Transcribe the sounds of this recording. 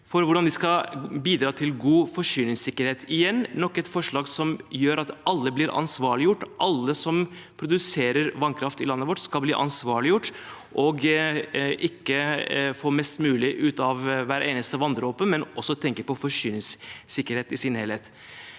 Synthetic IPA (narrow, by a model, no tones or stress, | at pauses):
fɔɾʋʊɖɑnd̪ɪskɑbiːd̪ɾɑːt̪ʰɪlɡuːfɔʂyːnɪŋsɪkːəɾheːt̪ʰɪjɛnːɔkːɛt̪fɔʂɭɑːɡsɔmjøːɾɑt̪ʔɑlːəblɪɾʔɑ̰nsʋɑːɭɪjʊʈːʔɑlːəsɔmpʰɾʊd̪ʉseːɾəɾʋɑnkʰɾɑft̪ɪlɑnːəʋɔʈːskɑlbliːʔɑnsʋɑːɭɪjʊʈːʔɔɡ | ʔɪkːəfoːmɛst̪mʉːlɪʔʉːt̪ɑʋʋæɾeːnəst̪əʋɑnd̪ɾəɔːpːənmɛnɔsːɔt̪ʰɛŋkəɾpɔfɔʂyːnɪŋssɪkːəɾheːt̪ɪsɪnhelheːt̪